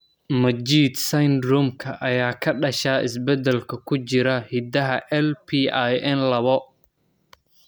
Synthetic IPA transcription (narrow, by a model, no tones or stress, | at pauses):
mɐd͡ʒiːd̪sɐjnd̪ɾɔːmkʰɐʔɐjaːkʰɐɖɐʃaːʔɪ̰sbɛd̪ɛlkʰɐkʰʊt͡ʃɪɾɐhid̪ɐɦɐʔɛlpʰiajʔɛnlɐβɔ